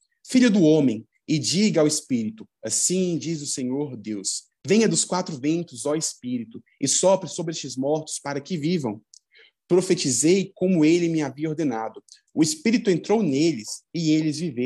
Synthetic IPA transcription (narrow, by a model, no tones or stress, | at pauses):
fiʎʊd̪ʊõmẽj̃ | ɪd͡ʒiɡɐawɪspiɾit̪ʊ | asĩd͡ʒizʊsẽɲoɾd̪ews | vẽj̃ɐd̪ʊskwat̪ɾʊvẽnt̪ʊzɔespiɾit̪ʊ | ɪsɔfɾɪsobɾɪest͡ʃɪzmɔɾt̪ʊ̥spaɾɐkɪvivɐ̰̃w̃ | pɾofet͡ʃizejkõmʊelɪmɪaviɐoɾd̪ẽnad̪ʊ | ʊespiɾit̪ʊẽnt̪ɾownelɪsɪelɪzvivew